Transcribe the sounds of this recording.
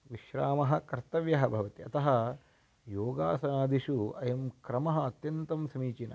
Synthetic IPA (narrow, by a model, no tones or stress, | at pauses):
ʋiʃɾaːmɐɦɐkɐɾt̪ɐʋjɐɦɐbʱɐʋɐt̪iɐt̪ɐɦɐ | joːɡa̰ːsɐnaːd̪ʱiʃuɐ̰jɐmkɾɐmɐɦɐɐt̪jɐnt̪ɐmsɐmiːt͡ʃinɐ̰